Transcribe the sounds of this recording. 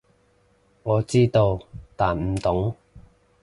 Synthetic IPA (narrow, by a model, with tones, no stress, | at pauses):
ŋɔː˨˧t͡siː˥t̪o˧wt̪aː˨˩nm̩˨˩t̪ʊ˨˥ŋ